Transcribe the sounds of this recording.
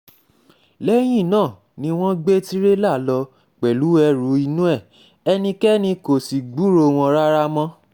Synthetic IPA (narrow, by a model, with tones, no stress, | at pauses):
lɛ˦j̃ĩ˦˨nãː˦˨ | nĩ˧w̃ɔ̃˦ɡ͡be˦ti˦ɾe˦la˦˨lɔ˧ | k͡pɛ˨lu˨˦ɛ˧ɾu˨˦i˧nũ˦ɛ˦˨ | ɛ˧nĩ˧kɛ˦nĩ˧ko˨si˨ɡ͡bu˦ɾo˧w̃ɔ̃˧ɾa˦ɾa˦mɔ̃˦